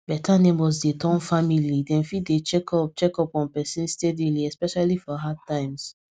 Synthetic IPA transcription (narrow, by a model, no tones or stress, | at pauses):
b̥ɛtʰanẽmwɔzdetʰɔ̃nfamilidɛ̃nfidet͡ʃɛkʰɔp̚t͡ʃɛkɔpɔ̃npɛsĩnstɛdiliɛspɛʃalifɔɦatːãɪ̃ms